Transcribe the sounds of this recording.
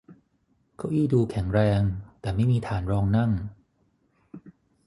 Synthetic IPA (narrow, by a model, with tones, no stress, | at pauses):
kʰa˦˥wʔiː˥˩duː˧kʰɛ˩˦ŋɾɛː˧ŋt̪ɛː˨˩ma˥˩jmiː˧t̪ʰaː˩˦nɾɔː˧ŋna˥˩ŋ